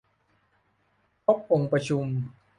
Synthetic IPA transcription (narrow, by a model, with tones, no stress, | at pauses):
pʰo˦˥p̚ʔo˧ŋpɾa˧t͡ɕʰu˧m